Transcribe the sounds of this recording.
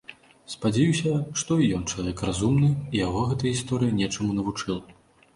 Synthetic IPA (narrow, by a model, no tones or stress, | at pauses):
spad͡zʲɛjusʲɐʂt̪ɔijɔnt͡ʂɐlˠavʲɛkrazumnɨijaɣɔɣɛt̪ɐjist̪ɔɾɨjinʲɛt͡ʂɐmunɐvut͡ʂɨlˠ